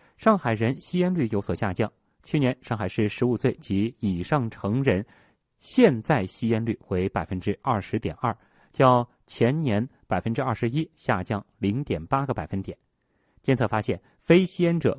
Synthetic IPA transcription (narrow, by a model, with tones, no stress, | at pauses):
ʂɑ˥˩ŋxa˨˩ɪɻə˧˥nɕi˥jɛ˥nly˥˩jo˧˥ʊswɔ˨˩ɕja˥˧t͡ɕjɑ˥˩ŋ | t͡ɕʰy˥˩njɛ˧˥nʂɑ˥˩ŋxa˨˩ɪʂɻ̩˥˩ʂɻ̩˧˥u˨˩swe˥˩ɪt͡ɕi˧˥i˨˩ʂɑ˥˩ŋʈ͡ʂʰɤ˧˥ŋɻə˧˥n | ɕjɛ˥˧nt͡sa˥˩ɪɕi˥jɛ˥nly˥˩xwe˧˥ɪpa˨˩ɪfə˥nʈ͡ʂɻ̩˥ʔɐ˞˥˩ʂɻ̩˧˥t̪jɛ˨˩nɐ˞˥˩ | t͡ɕjɑ˥˧ʊ | t͡ɕʰjɛ˧˥nnjɛ˧˥npa˨˩ɪfə˥nʈ͡ʂɻ̩˥ɐ˥˩ʂɻ̩˧˥i˥ɕja˥˧t͡ɕjɑ˥˩ŋli˧˥ŋt̪jɛ˨˩npa˥ɡə˨pa˨˩ɪfə˥nt̪jɛ˨˩˦n | t͡ɕjɛ˥˧nt͡sʰɤ˥˩fa˥ɕjɛ˥˩n | fe˥ɪɕi˥jɛ˥nʈ͡ʂɤ̰˨˩